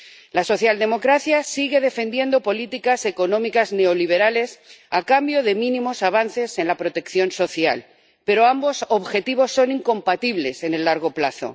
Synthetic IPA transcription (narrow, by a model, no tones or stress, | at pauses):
laso̞θjald̪e̞mo̞kɾaθjasiɣe̞ð̞e̞fe̞nd̪je̞nd̪o̞po̞lit̪ikase̞ko̞nõ̞mikazne̞o̞liβ̞e̞ɾale̞sakambjo̞ðe̞mĩnĩmo̞saβ̞anθe̞se̞nlapɾo̞t̪e̞kθjo̞nso̞θja̰l | pe̞ɾo̞ambo̞so̞βxe̞t̪iβ̞o̞sːo̞niŋko̞mpat̪iβle̞se̞ne̞lːaɾɣ̞o̞plaθo̞̰